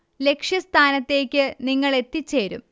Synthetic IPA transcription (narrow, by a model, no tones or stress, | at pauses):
le̞kʂjɐst̪ʰaːnɐt̪ːe̞ːkʲːɨniŋːɐɭe̞t̪ːit͡ɕːe̞ːɾṵm